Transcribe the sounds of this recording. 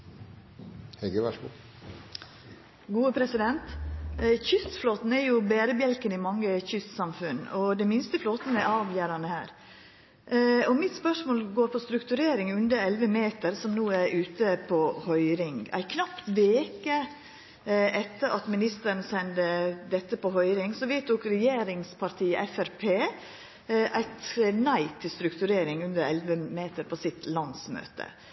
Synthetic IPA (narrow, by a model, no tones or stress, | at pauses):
hɛɡəʋæʂɡṵː | ɡuːəpʰɾɛsɪd̪ɛnt̪ | çʏst̪floːt̪n̩ɛɾjʊbeːɾəbjɛlkənɪmɑŋːəçʏst̪sɑmfʉnɔd̪ɛmɪnst̪əfloːt̪n̩ɛɾʔɑːʋjæːɾɑnəhæ̰ːɾ | ɔmɪt̪spœʂmoːlɡoːɾpʰɔst̪ɾʉkt̪ʉɾeːɾɪŋʉnd̪əɾɛlʋəmeːt̪əɾsɔmnuːæɾʉːt̪əpʰɔhœʏɾɪŋæ̰ɪkʰnɑpt̪ʋeːkə | ʔɛt̪ːəɾʔɑt̪mɪnɪst̪əɾənsɛnd̪əd̪ɛt̪ːəpɔhœʏɾɪŋsɔʋɛːt̪̚d̪oːkɾɛjeːɾɪŋspʰɑɾt̪ʰiːəʔɛfæɾpʰeː | ʔæ̰ɪt̪næɪt̪ʰɪlst̪ɾʉkt̪ʉɾeːɾɪŋʉnd̪əɾɛlʋəmeːt̪əɾpʰɔsɪt̪lɑnsmø̰ːt̪ə̰